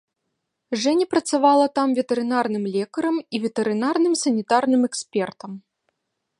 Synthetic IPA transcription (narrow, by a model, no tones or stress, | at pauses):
ʐɛnʲɐpɾɐt̪savalˠɐt̪amvʲɛt̪ɛɾɨnarnɨmlʲɛkɐɾɐmivʲɛt̪ɛɾɨnarnɨmsɐnʲit̪arnɨmɛksʲpʲɛrt̪ɐm